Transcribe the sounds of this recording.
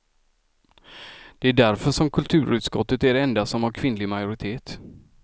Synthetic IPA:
d̪̥ɛæɖæɾfœʂɔmkʰɵlt̪ʰʉ̟ːɾʉ̟ːt̪skɔt̪ːət̪æɖɛɛnd̪asɔmhaɾkʰvɪnlɪɡmajʊɾɪt̪ʰeːt̪

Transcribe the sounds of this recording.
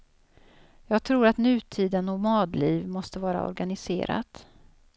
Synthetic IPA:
jɑːɡ̚t̪ʰɾuːɾat̪nʉ̟ːt̪ʰiːd̪ənɔmɑːd̪liːvmɔst̪əvɑːɾa̰ɔ̰ɾɡanɪsḛːɾa̰t̪

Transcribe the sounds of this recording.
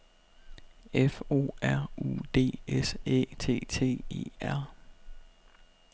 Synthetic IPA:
efo̝̰ːæɐ̰ṵd̥e̝̰ːesḛːt͡sʰe̝̰ːt͡sʰe̝̰ːe̝̰ːæɐ̰

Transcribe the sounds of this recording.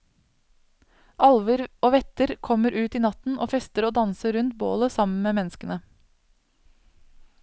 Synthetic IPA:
ʔɑlʋəɾoːʋɛt̪əɾkʰɔməɾʔʉːt̪iːnɑt̪n̩o̰ːfɛst̪əɾoːd̪ɑnsəɾʉnt̪̚bo̰ːləsɑmən̩meːmɛnskənə

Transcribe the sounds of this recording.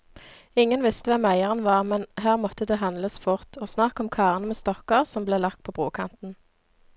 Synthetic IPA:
ɪŋənʋɪst̪əʋɛmæɪəʁənʋɑːʁmɛnɦæːʁmɔt̪əd̪eːɦɑnd̪ləsfʊʁt̪ʰoːsnɑkɔmkʰɑːʁənəmeːst̪ɔkəʁsɔmbleːlɑkt̪̚pʰoːbʁoːkʰɑ̰nt̪n̩

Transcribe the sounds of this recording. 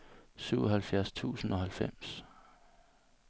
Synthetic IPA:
syʊɒɦælfjæɐst͡sʰṵːsn̩ɒ̽ɦælfem̰s

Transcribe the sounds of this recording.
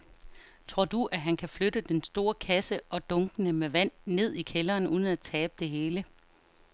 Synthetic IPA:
t͡sʰo̝ɐ̰d̥uʔæɦænkʰæfløɾəd̥ensd̥o̝ːɐkʰæsəʔɒ̽d̥ɔ̽ŋɡ̥ənəmeʋæn̰ne̝ð̞̰ˠikʰelɐːnuːð̞ˠn̩æt͡sʰɛːb̥̚əd̥e̝ɦe̝ːlə

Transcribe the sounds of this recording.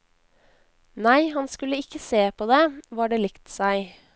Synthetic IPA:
næɪhɑnskʉləɪkəseːpʰoːd̪eːʋɑːɖeːlɪkt̪sæɪ

